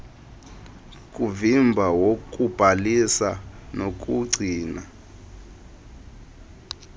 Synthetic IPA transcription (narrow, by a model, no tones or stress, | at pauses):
kʼuvimbʱawok̬ʼub̥ʱalisanok̬ʼuɡ͡ǀʱiːna